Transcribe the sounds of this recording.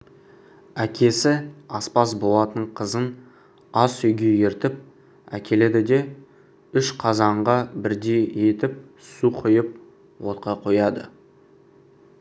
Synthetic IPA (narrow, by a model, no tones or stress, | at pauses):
ækʲe̞sɪɑspɑsbo̞lˠɑt̪əəɴqʰəzən | ɑsʏjɡʲe̞je̞ɾt̪ɪp̚ | æ̰kʲe̞le̞d̪ɪd̪e̞ | ʏʃqʰɑzɑɴʁɑbɪɾd̪e̞je̞t̪ɪp̚ | suqʰəjəp̚ | wo̞t̪̚qɑqʰo̞jɑd̪ə̰